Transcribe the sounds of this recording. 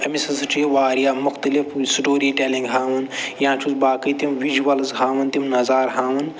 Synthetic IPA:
ɐmisɐsɨt͡ʃʰiʋaːɾijamʊxt̪ɐlifsʈoːɾiːʈeːlĩŋɡɦãːʋɨnjãːt͡ʃʰuzbaːkɐjt̪imʋiʒuʋɐlzɦãːʋɐnt̪imnɐzaːɾɦãːʋɨn

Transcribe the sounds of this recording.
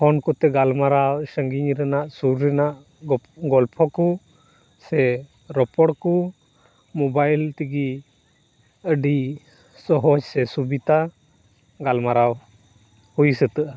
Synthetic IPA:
pʰɔnkɔt̪ɛɡalmaɾawsəŋɡiɲɾɛnaʔsuɾɾɛnaʔ | ɡɔlpʰɔku | sɛ | ɾɔpɔɽku | mɔbajlt̪iɡi | əɖi | sɔɦɔd͡ʒsɛsubit̪a | ɡalmaɾaw | hujsət̪əʔa

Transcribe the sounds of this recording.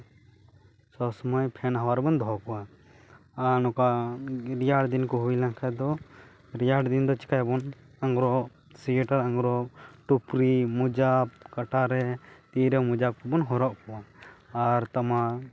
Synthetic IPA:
sɔsɔmajpʰɛnɦawaɾbɔnd̪ɔɦɔkɔwa | anɔkaɾijaɽd̪inkɔɦujlaŋkʰad̪ɔ | ɾijaɽd̪ind̪ɔt͡ʃi̥kajbɔn | aŋɡɾɔ | siʈaɾaŋɡɾɔʈupɾimud͡ʒap̚kaʈaɾɛt̪iɾɛmud͡ʒab̚kɔbɔnɦɔɾɔʔkɔwaː | ɾt̪ama

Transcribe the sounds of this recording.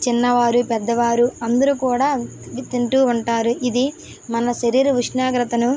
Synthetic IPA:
t͡ʃinːɐʋaːɾupɛd̪ːɐʋaːɾuɐnd̪ɐɾukuːɽaː | ʋit̪ːinʈuːuɳʈaːɾuʔid̪i | mɐnɐʃɐɾiːɾɐʋuʂnaːɡɾɐt̪ɐnu

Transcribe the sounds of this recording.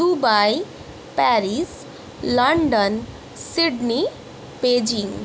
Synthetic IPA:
dubaj | pɛɾis | lʌɳɖʌn | siɖni | ped͡ʒiŋ

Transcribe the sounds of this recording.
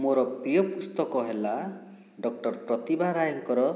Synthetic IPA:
moɾɔpɾijɔpust̪ɔkɔɦela | ɖɔk̚ʈɔɾpɾɔt̪ibaɾajɔŋkɔɾɔ

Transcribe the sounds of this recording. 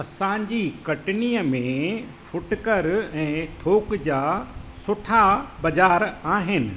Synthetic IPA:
ɐsãːɲd͡ʑikɐʈɪniːəmẽ | fʊʈkəɾɛ̃ːt̪ʰoːkd͡ʑaːsʊʈʰabɐd͡ʑaːɾaːɦɪnɪ̆

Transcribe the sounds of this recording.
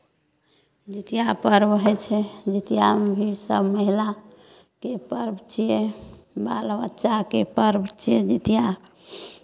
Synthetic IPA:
d͡ʒit̪ijapəɾbɦɛt͡ʃʰɛd͡ʒit̪ijamebʱisəbʱməɦila | kepəɾbt͡ʃijeba̰lbətːʃakepəɾbt͡ʃied͡ʒit̪ija

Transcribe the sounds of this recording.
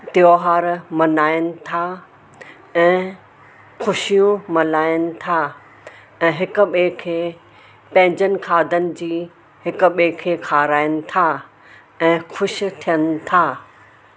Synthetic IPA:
t̪joːɦaːɾmɐnaːɪənɪ̆t̪ʰa | ɛ̃ː | xʊʃijũmɐlaːɪənɪ̆t̪ʰa | ɛ̃ːɦɪkʊ̆ɓeːkʰeː | pɐ̃ɦɪ̃ɲd͡ʑənɪ̆kʰaːd̪ʱənɪ̆d͡ʑiː | hɪkʊ̆ɓeːkʰeːkʰaːɾaːɪnɪ̆t̪ʰa | ɛ̃ːxʊʃɪ̆t̪ʰijənɪ̆t̪ʰaː

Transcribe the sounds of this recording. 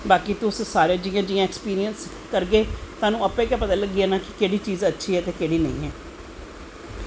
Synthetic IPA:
baːkiːt̪ʊssaːɾjãːd͡ʒɪjãːd͡ʒɪãːɛkspiːɾɪjəns | kəɾɡeːt̪aːnũːəpɛ̃ɪkɛpət̪aːləɡːɪãːnaːkɪkeːɽiːt͡ʃiːzətːʃʰiːɦɛːt̪eːkeːɽiːnə̰ĩːɦɛː

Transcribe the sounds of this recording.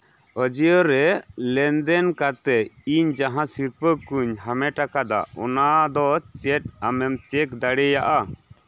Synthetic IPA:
əd͡ʒijəɾɛlɛnd̪ɛnkaɾt̪ɛiɲd͡ʒaɦãsiɾpəkuɲɦamɛʈakad̪a̰ɔnad̪ɔt͡ʃɛʈ̚amɛmt͡ʃɛkd̪aɽɛjaʔa

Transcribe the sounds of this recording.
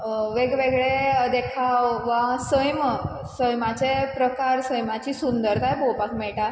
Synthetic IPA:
ʋeɡʋeɡɭed̪ekʰaʋasəjmə | səjmat͡ɕepɾəkaɾsəjmat͡ɕiːsund̪əɾt̪ajbowpakmɛɭʈa

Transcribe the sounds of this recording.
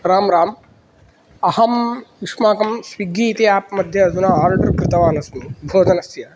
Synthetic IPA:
ɾaːmɾaːm | ɐhɐmʋiʂmaːkɐmswiɡiːt̪eaːpmɐd̪ʱjɐɐd͡ʒʱunaaːɾʈɐɾkɾɪt̪ɐʋaːnɐsmibʱoːd͡ʒ̪ɐnɐsjɐ

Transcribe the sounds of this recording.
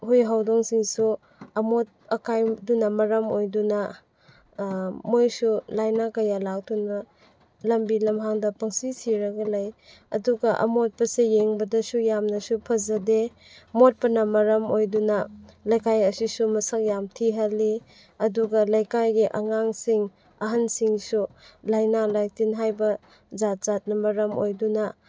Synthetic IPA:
hujɦawdoŋsiŋsu | ɐmot̚ɐkajdunɐmɐɾɐmojdunɐ | mojsulajnakɐjalaktʰɔnɐ | lɐmbilɐmɦaŋdɐpɐŋsisiɾɐɡɐlɐj | ɐ̰duɡɐʔɐ̰mot̚pɐsejeŋbɐdɐsujamnɐsupʰɐzɐde | mot̚pɐnɐmɐɾɐmojdunɐlɐjkajɐsisumɐsɐk̚jamtʰiɦɐlːi | ɐduɡɐlɐjkajɡiʔɐŋaŋsiŋ | ɐɦɐnsiŋsulajnalajtinɦajbɐ | zat̚z̥at̚nɐmɐɾɐmo̰jdunɐ

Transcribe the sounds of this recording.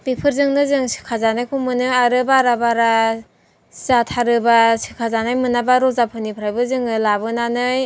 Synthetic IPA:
bipʰɯɾzɯŋnɯzɯŋsi̥kʰazanajkʰumɯnɯaɾɯbaɾabaɾa | zatʰaɾɯbasi̥kʰazanajmɯnabaɾɔzapʰɯnipʰɯɾajbɯzɯŋɯlabɯnanɯj

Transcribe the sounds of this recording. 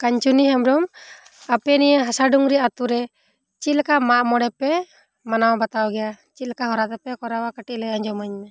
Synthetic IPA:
kaɲt͡ʃuniɦamɖɔm | apɛnijəɦasaɖuŋɾiat̪uɾɛ | t͡ʃilɛkamaʔmɔɽɛpɛ | manawabat̪awɡɛjat͡ʃit̪̚lɛkaɦɔɾat̪apɛkɔɾawakaʈiʔlɛaɲd͡ʒɔmaɲmɛ

